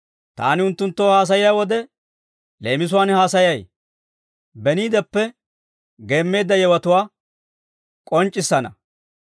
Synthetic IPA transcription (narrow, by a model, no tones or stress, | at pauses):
t̪a̰ːnɪʊnt̪ːʊnt̪ːoːhaːs̬ɐjɪjaːwɔd̪ɛ | le̞ːmɪs̬ʊwaːnhaːsɐjɐj | bɛniːd̪ɛpːɛ | ɡe̞ːmːe̞ːd̪ːɐjɛwɐt̪ʊwaː | kʼɔnt͡ʃʼːɪsːɐnɐ̰